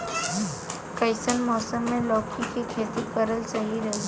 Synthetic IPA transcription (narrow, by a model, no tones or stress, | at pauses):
kəɪsənmɔːsəmːẽlɔːkʰikikʰeːt̪ikəɾəlt͡ʃɐɦiɾɐɦi